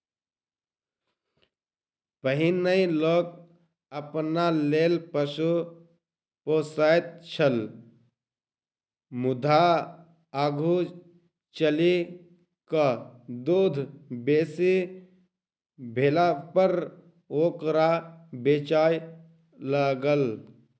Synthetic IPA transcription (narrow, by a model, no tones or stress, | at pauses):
pəɦinəĩloːk̚ | əpnaleːlpəsu | posaːt̪̚t͡ʃʰəl | mʊd̪ʱa | aːɡʱu | t͡ʃəli | kəd̪uːd̪ʱbeːsi | bʱelapəɾ | oːkɾabeːt͡ʃaːj | ləɡəl